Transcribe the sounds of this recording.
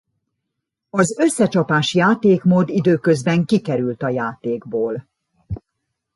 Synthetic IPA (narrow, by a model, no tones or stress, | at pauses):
ɒzø̞sːɛt͡ʃɒpaːʃjaːt̪eːkmoːd̪id̪øːkø̞zbɛŋkikɛɾylt̪ɒjaːt̪eːɡboːl